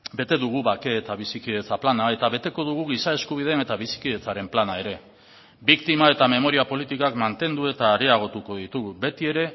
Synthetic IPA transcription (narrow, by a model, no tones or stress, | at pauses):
be̞t̪e̞ðuɣ̞uβake̞ːt̪aβ̞isikiðe̞t͡saplanae̞t̪aβe̞t̪e̞ko̞ðuɣ̞uɣ̞isae̞skuβ̞iðene̞t̪aβ̞isi̥kiðe̞t͡saɾe̞mplanae̞ɾe̞ | bikt̪imae̞t̪ame̞mo̞ɾiapo̞lit̪ikakmant̪e̞nd̪ue̞t̪aːɾeaɣ̞o̞t̪uko̞ðit̪uɣube̞t̪ie̞ɾe̞